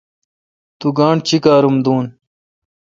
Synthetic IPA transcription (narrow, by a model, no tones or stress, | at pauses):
t̪uɡãːɳɖt͡ɕikaːɾumd̪uːn